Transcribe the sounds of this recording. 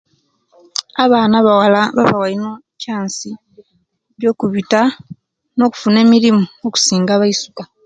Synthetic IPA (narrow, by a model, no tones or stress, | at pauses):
aβaːnaβawalβa̰βawaino | caːnsi | βjo̞ːkuβita | no̞ːku̥fune̞ːmiɾimuoku̥siːŋɡaːβaisu̥ka